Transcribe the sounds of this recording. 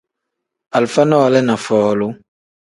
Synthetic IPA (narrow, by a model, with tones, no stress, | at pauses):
a˨lfa˦nɔ̃˦wa˨lɛ˦nã˨fɔː˨lo˦